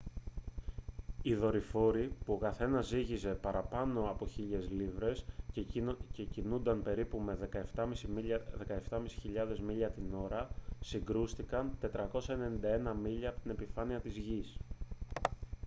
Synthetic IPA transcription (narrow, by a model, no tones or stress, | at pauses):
iðo̞ɾifo̞ɾipuo̞kɐθe̞nɐziʝize̞pɐɾɐpɐno̞ɐpo̞çiʎe̞zlivɾe̞s | cecinund̪ɐnpe̞ɾipume̞ðekɐe̞ft̪ɐmisiðe̞kɐe̞ft̪ɐmisi̥çiʎɐðe̞zmiʎɐt̪ino̞ɾɐsiŋɡɾust̪ikɐnt̪e̞t̪ɾɐko̞sɐe̞ne̞nind̪ɐe̞nɐmiʎɐːpot̪ine̞pifɐniɐt̪izʝis